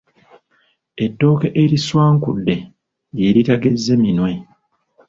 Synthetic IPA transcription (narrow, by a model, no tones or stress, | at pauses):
etːo̞ːkeʔeɾiswaːŋkudːe̞ | jeɾitaɡezːeminwe̞